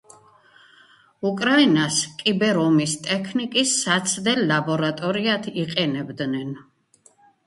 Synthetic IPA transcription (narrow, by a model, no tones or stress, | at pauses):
ukʼɾainaskʼibɛɾɔmist̪ʼɛkʰnikʼisːat̪sʰd̪ɛlabɔɾat̪ʼɔɾiat̪ʰiqʼɛnɛbd̪nɛn